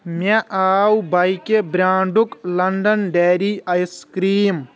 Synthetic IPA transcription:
mɐʔaːwbɐjkebɾaːɳɖuklɐɳɖɐnɖeːɾiɐjskɾiːm

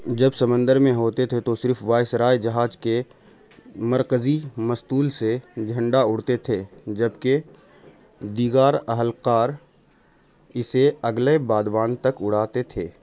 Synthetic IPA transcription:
d͡ʒɐbsɐmə̃nd̪əɾmẽɦoːt̪et̪ʰet̪osɪɾfʋaːɪsɾaːjd͡ʒɐɦaːd͡ʒke | mɐɾkəzimɐst̪uːlsed͡ʒʱɐ̃ɳɖaʊɽt̪et̪ʰed͡ʒɐbke | d̪iːɡaːɾɐɦəlqaːɾ | ɪseɐɡlebaːd̪bãːnt̪ɐkʊɽ̤aːt̪et̪ʰeː

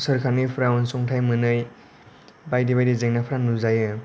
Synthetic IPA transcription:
sɯɾkʰanipʰɾawnsɔŋtʰajmɯnɯj | bajdibajdizeŋnapʰɾaŋnuzajɯ

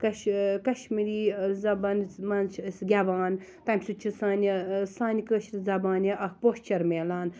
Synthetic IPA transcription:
kɐʃkɐʃmiɾiːzɐbaːnmɐnt͡ʃʰsɡʲɐʋaːnt̪ɐmsut͡ʃʰisaːnʲisaːnʲikəːʃɾizɐbaːniʔɐkpoːst͡ʃɐɾmeːlaːn

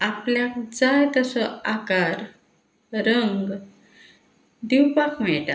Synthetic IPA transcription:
apljak̚d͡zajt̪əsəakaɾ | ɾəŋɡ | d̪iwpakm̤ɛɭʈa̰

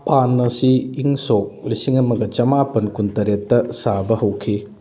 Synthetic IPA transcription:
panːɐsiːŋsok̚lisiŋɐmɐɡɐt͡ʃɐmapɐnkuntɐɾetːɐsabɐhɐwkʰi

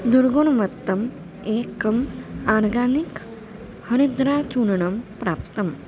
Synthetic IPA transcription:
d̪uɾɡoɳʋɐt̪ːɐm | eːkɐmaːnɡaːnik | həɾid̪ɾaːt͡ʃuɳɳɐmpɾaːpt̪ɐm

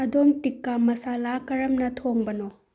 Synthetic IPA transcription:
ɐd̪omtikːamɐsalakɐɾɐmnɐt̪ʰoŋbɐno

